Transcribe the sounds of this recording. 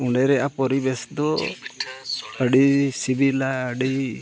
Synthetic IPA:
uɳɖɛɾɛʔapɔɾibɛsd̪ɔ | əɖisibilaəɖi

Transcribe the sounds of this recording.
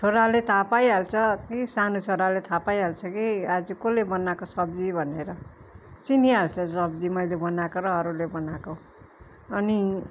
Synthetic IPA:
t͡sʰoɾalet̪ʰapajɦalt͡sʰʌkisanot͡sʰoɽalet̪ʰapajɦalt͡sʰʌkiad͡zukolebʌnakosʌbd͡zibʱʌneɾʌ | t͡siniɦalt͡sʰʌsʌbd͡zimʌjlebʌnakoɾʌɦʌɾulebʌnako | ʌni

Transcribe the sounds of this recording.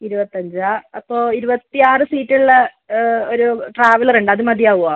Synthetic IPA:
iɾubɐt̪ːɐɲd͡ʑaːɐpːoːiɾubɐt̪ːijaːrɨsiːtːiɭɭe | oɾuʈraːʋɐlɐruɳɖɐðɨmɐd̪ijaːʋuaː

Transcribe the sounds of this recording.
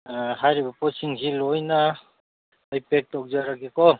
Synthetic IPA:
ɦajɾibapɔsiŋsilojna | ʌjpek̚tɔk̚zaɾakekɔ

